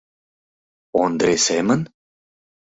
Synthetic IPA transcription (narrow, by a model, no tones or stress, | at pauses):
ond̪ɾʲesemən